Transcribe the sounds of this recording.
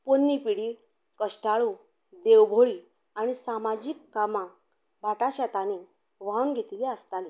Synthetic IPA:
ponːipiɽiː | kəʂʈaɭũ | d̪ewbʱoɭiː | aɽ̃isamad͡ʑikːamã | bʱat̪at͡ɕat̪ane | ʋaunɡʱet̪iliəst̪ali

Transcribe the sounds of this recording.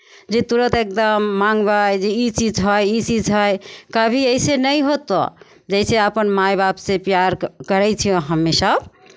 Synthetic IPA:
d͡ʒet̪uɾət̪ek̚d̪əmːaŋɡbajd͡ʒeit͡ʃid͡ʒɦɔjit͡ʃid͡ʒɦɔjkəbʱiəɪsenəjɦot̪ɔ̰ | d͡ʒɛɪseəpənmajbabsẽpjaɾkəɾɛt͡ʃʰijõɦəmːesəb

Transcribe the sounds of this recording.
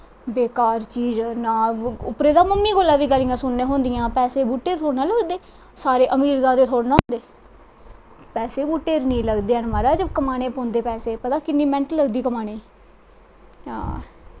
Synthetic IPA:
beːkaːɾt͡ʃiːd͡ʒnaːʊpɾeːd̪aːməmːiːɡolːãːʋiːɡəlijãːsʊnːẽːɦõːnd̪ɪjãːpɛːseːbuːʈːeːt̪ʰoːɽnaːləɡd̪eː | saːɾeːʔəmiːɾzaːd̪eːt̪ʰoːɽnaːɦõːnd̪eː | pɛːseːbuːʈːeːɾnĩːləɡd̪eːənmaːɾaːd͡ʒəbkəmaːneːpõːnd̪eːpɛːseːpət̪aːkɪnːiːmɛ̃ɳʈləɡd̪iːkəmaːɽ̃eː | ɦã̰ː

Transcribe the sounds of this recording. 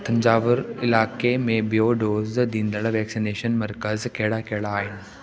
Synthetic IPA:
t̪ʰə̃ɲd͡ʑaːʋəɾɪlaːkemẽbijoːɖoːzd̪ĩːnd̪əɭʋɛːksineːʃənmɐɾkəzkeɦɽakeɦɽaːɦɪnɪ̆

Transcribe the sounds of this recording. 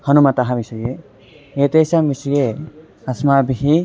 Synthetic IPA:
hɔnumat̪aɦãbisɔje | et̪esambisije | asmabiɦi

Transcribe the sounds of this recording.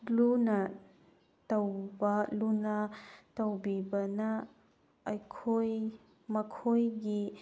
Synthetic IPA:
lunɐ | tɐwbɐlunɐtɐwbibɐnɐ | ɐjkʰoj | mɐkʰojɡi

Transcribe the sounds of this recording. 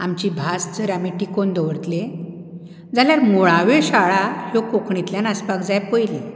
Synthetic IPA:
amt͡ɕibʱasd͡zəɾamiʈikond̪əʋəɾt̪le | d͡zaljaɾmoɭaʋeɕaɭahokokʰɳit̪ljanaspakd͡zajpojle

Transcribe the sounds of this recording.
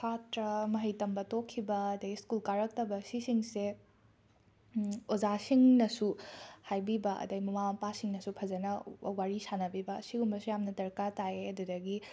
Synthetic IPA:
pʰatɾɐmɐɦɐjtɐmbɐtokʰːibɐːdɐjskulkaɾɐk̚tɐbɐsisiŋse | ozasiŋnɐsuhajbibɐʔɐ̰dɐɡmɐmamɐpasiŋnɐsupʰɐzɐnɐwaɾisanɐbibɐːsiɡumɐsujamnɐdɐɾkataeɐdudɐɡi

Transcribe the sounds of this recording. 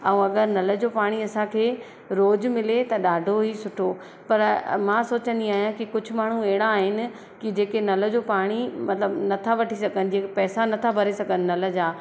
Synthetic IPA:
ɐũːɐɡəɾnɐlə̆d͡ʑoːpaːɽ̃iɐsãkʰeː | ɾoːd͡ʑmɪlet̪ɐɗaːɖʱoɦisʊʈʰo | pɐɾmãːsoːt͡ɕə̃nd̪iaːɦjãkikʊd͡ʑʱʊ̆maːɳ̤ũɛɦɪɽ̃aːɦɪnɪ̆ | kid͡ʑeːkenɐlə̆d͡ʑoːpaːɽ̃imɐt̪ləbnɐt̪ʰaʋɐʈʰisɐɡʱənɪ̆d͡ʑĩːkepɛːsanɐt̪ʰabʱɐɾesɐɡənɪ̆nɐl̆d͡ʑaː

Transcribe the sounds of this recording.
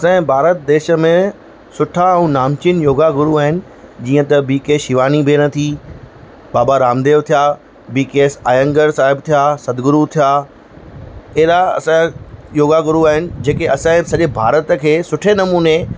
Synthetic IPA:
ɐsãɪ̃bʱaːɾət̪̚d̪eːʃə̆mẽ | sʊʈʰaɛ̃naːmt͡ɕinjoːɡaɡʊɾuaːɦɪnɪ̆ | d͡ʑiːə̃t̪ɐbiːkeːsʃɪʋaːnibʱeːñɐt̪ʰi | baːbaɾaːmd̪eːʋt̪ʰijaː | biːkeːsaːjə̃ŋɡəɾsaːɦɪbt̪ʰijasɐd̪ɡʊɾut̪ʰijaː | ɪɦɾaɐ̰sãjoːɡaɡʊɾuaːɦɪnɪ̆d͡ʑeːkeɐsãɪ̃sɐʄebʱaːɾət̪əkʰeːsʊʈʰenɐmuːne

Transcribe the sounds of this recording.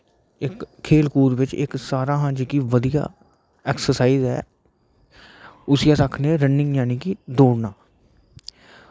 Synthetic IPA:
ɪkʰːeːlkuːɾʋɪt͡ʃɪ̰ksaːɾãːɦãːd͡ʒikiːʋəd̪ija̰ː | ɛːksəsaːiːzɦɛː | ʊsijãːsəkʰnẽːɾənːɪ̃ŋɡjaːniːkiːd̪oːɽnaː

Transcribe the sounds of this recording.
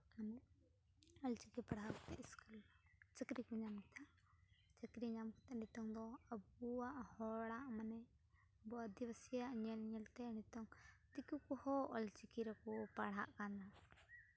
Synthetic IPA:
manaʔ | əlt͡ʃikipaɽɦakɔ̥t̪ɛʔiskult͡ʃəkɾikuɲamit̪ʰa | t͡ʃəkɾiɲamkɔt̪ɛnit̪ɔŋd̪ɔəb̚uaʔhɔɽaʔmanɛ | bɔəd̪ibəsijaʔɲɛlɲɛlt̪ɛnit̪ɔŋt̪ikukɔhɔʔɔlt͡ʃikiɾɔkɔpaɽɦa̰ʔkana

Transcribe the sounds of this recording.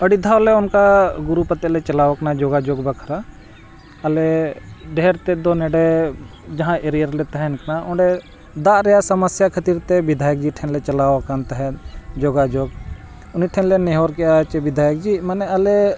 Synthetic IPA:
əɽid̪ʱawleʊnkaɡʊɾupət̪ɛlɛt͡ʃɐlaːʋknad͡ʒoɡad͡ʒoɡbɐkʰɾa | ɐleɖeɦɾt̪ed̪onɛɖe | d͡ʒɐɦãʔeɾijəɾlet̪aɦɛnknaʊɖe | d̪aɾɛjasɐməsjakʰət̪iɾt̪ebɪd̪ʱaːjək̚d͡ʒiʈʰɛnlet͡ʃɐlaːkant̪ɦɛd͡ʒoɡad͡ʒoɡ | ʊniʈʰɛnleneɦoɾkɛjat͡ʃɛbɪd̪ʱaːjək̚d͡ʒimanɛəle

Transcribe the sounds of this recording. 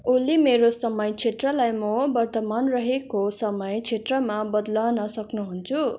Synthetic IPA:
ulimeɾosʌmʌjt͡sʰet̪rʌlajmʌbʌrt̪ʌmanrʌɦekosʌmʌjt͡sʰet̪rʌmabʌd̪lʌnʌsʌknuɦunt͡sʰu

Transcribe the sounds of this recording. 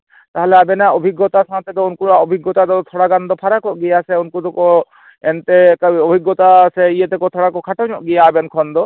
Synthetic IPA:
t̪aɦaleabɛnaʔɔbʱiɡːɔt̪asãt̪ɛd̪ɔunkuɾaɔbʱiɡːɔt̪ad̪ɔt̪ʰɔɽaɡand̪ɔpʰaɾakɔʔɡijasɛunkud̪ɔkɔ | ent̪ekaɔbʱiɡːɔt̪asɛijet̪ɛkɔt̪ʰɔɽakɔkʰaʈɔɲɔʔɡijaːbɛnkʰɔnd̪ɔ

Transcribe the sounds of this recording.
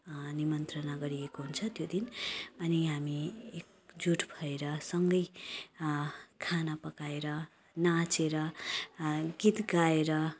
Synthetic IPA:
nimʌnt̪rʌnaɡʌɾijekoɦunt͡sʰʌt̪jod̪inʌniɦamiek̚ | d͡zuʈʰbʰʱʌeɾʌsʌŋɡʌj | kʰanapʌkaeɾʌ | nat͡seɾʌ | ɡit̪ɡaeɾʌ

